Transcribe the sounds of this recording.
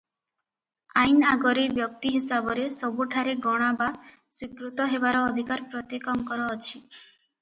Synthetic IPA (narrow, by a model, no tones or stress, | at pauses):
ajnaɡɔɾebjɔkt̪iɦisabɔɾesɔbuʈʰaɾeɡɔɽ̃aba | swikɾut̪ɔɦebaɾɔːd̪ʱikaɾpɾɔt̪ekɔŋkɔɾɔːt͡ʃʰi